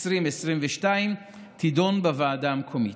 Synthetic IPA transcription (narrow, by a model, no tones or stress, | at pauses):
sʁimesʁimveʃtaim | t̪ʰido̞nbavaːdamkʰo̞mi